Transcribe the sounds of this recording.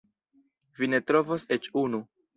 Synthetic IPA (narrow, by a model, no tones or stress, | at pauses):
vine̞tɾo̞voset͡ʃunu